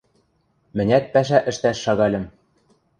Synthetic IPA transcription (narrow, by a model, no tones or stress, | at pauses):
mɘ̆nʲæt̪̚pæʃ̬æʔɘ̆ʃt̪æʃːɑɣɑlʲɤ̆m